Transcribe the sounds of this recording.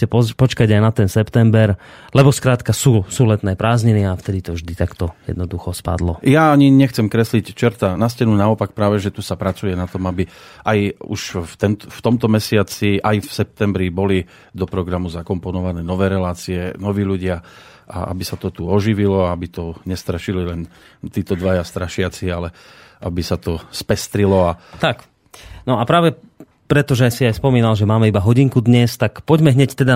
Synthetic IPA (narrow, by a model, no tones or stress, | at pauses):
ɛpɔpɔt͡ʃkaɟajnat̪ɛnsɛpt̪ɛmbɛɾ | lɛbɔskɾaːt̪kasuːsuːlɛt̪nɛːpɾaːzɲɛnɪaft̪ɛd̪it̪ɔvʒd̪it̪akt̪ɔjɛ̰d̪nɔd̪uxɔspa̰d̪lɔjaːɲiɲɛxt͡sɛmkɾɛslict͡ʃɛɾt̪anascɛnunaɔpak̚pɾaːʋɛʒɛt̪usapɾat͡sujɛnat̪ɔmabi | ʔajṵʃt̪ɛnft̪ɔmt̪ɔmɛsɪat͡siʔajfsɛp̚t̪ɛmbɾibɔli | d̪ɔpɾɔɡɾamuzakɔmpɔnɔʋanɛːnɔʋɛːɾɛlaːt͡siɛnɔʋiːʎuɟɪa | ʔa̰a̰bisat̪ɔt̪uɔʒiʋilɔaabit̪ɔɲɛst̪ɾaʃililɛn | t̪iːt̪ɔd̪ʋajast̪ɾaʃɪat͡sialɛ | abisat̪ɔspɛst̪ɾilɔat̪ak | nɔapɾaːʋɛ | pɾɛt̪ɔʒɛsiajspɔmiːnalʒɛmaːmɛibaɦɔɟiŋkud̪ɲɛst̪akpɔɟmɛɦɲɛct̪ɛd̪a